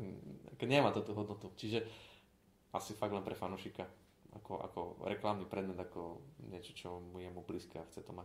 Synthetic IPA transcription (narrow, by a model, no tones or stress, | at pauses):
kɛɲɛmaːt̪ut̪uɦɔd̪nɔt̪ut͡ʃiʒɛ | asifaɡ̪lɛnpɾɛfanuːʃika | a̰kɔʔa̰kɔ̰ɾɛklamnipɾɛd̪mɛd̪akɔɲɪɛt͡ʃɔ̥t͡ʃɔmujɛmubliːskɛ̰axt͡sɛt̪ɔma